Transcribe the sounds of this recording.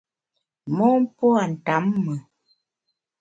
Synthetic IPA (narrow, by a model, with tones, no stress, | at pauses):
mɔ˦m˦pwa˨n̩˨ta˨˦mːə˨